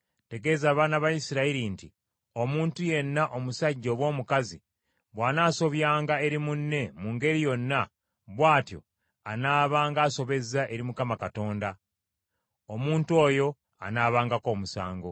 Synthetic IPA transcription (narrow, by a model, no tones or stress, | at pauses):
te̞ɡe̞ːzaːβaːnaβajisiɾaiɾinti | o̞muːntuje̞nːaʔo̞musaɟːo̞ːβwo̞ːmukazi | βwaːnaːso̞βjaːŋɡae̞ɾimunːe̞muːŋɡe̞ɾijo̞nːa | βwaːtjo̞̰ | anaːβaːŋɡaːso̞βe̞zaʔe̞ɾimukamakato̞ːnda | omuːntuo̞ːjo̞ | a̰naːβaːŋɡako̞ːmusa̰ːŋɡo̞